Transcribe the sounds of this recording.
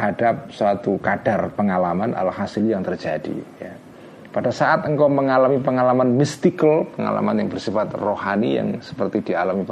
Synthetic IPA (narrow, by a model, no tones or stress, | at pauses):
ɦadap̚swat̪ukad̥arpəŋalamanʔa̰lahasɪljaŋt̪ərd͡ʒa̰dḭja̰ | padasaʔat̪əŋkaməŋalamipəŋalamanmist̪ikəlpəŋa̰la̰manjaŋbərsifat̪rohanija̰ŋsə̥pərt̪idialamip